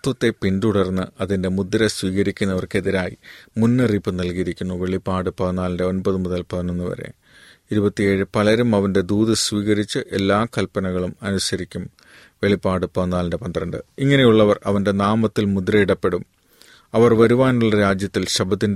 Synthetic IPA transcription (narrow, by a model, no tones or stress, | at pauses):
ɐt̪ʋɐt̪ːe̞pinduɽɐrnːɨʔɐðinde̞mud̪ɾɐsʋiːɣɐɾikʲːunːɐʋɐrke̞ðiɾaːjimunːɨriːpːɨnɐlkijɾikʲːunːuʋe̞ɭipːaːɽɨpɐðɐnːaːlɐnde̞o̞nbɐðɨmuðɐlpɐðɐɳunːɨpɐ̰ɾḛ | iɾubɐt̪ːijeːɻɨpɐɭɐɾumɐʋɐnde̞d̪uːðɐsʋiːɣɐɾit͡ɕːɨʔe̞lːaːkɐlpɐnɐɣɐɭumɐnuɕɐɾikʲːum | ʋe̞ɭipːaːɽɨpɐðɐnːaːlɐnde̞pɐnd̪ɐrɐɳɖɨ̰iŋːɐne̞juɭːɐʋɐrɐ̰ʋɐnde̞naːmɐt̪ːilmud̪ɾɐiɽɐpːe̞ɽum | ɐʋɐrʋɐɾuʋaːnuɭːɐɾaːd͡ʑjɐt̪ːilɕɐbʱɐt̪ːin